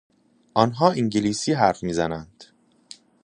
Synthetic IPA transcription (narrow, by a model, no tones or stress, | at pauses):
ʔɒnɦɒːiŋɟeliːsiːɦæɾfmiːzænænd̪̥